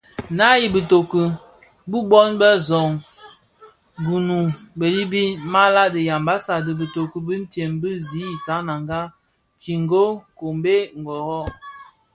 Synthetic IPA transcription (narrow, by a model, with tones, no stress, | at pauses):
na˦ji˨bə˨to˨kə˨ | bu˦bɔ˦nbə˦zɔ˨ŋ | ɡu˨nu˨bə˨li˦bi˦ma˦la˦də˨ja˨mba˦sa˨də˨bə˨to˨kə˨bi˦n̩˦te˨mbə˦zi˨˦i˨sa˨˦na˨ŋɡa˦ | ti˨ŋ˦ɡo˦ko˨mbe˦ŋ̩˨ɡɔ˨ɣɔ˦